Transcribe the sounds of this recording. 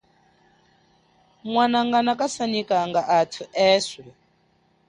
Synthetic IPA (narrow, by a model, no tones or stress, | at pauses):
mwanaŋɡanakʼasanikʼaŋɡaʔːtʰuɛːswɛ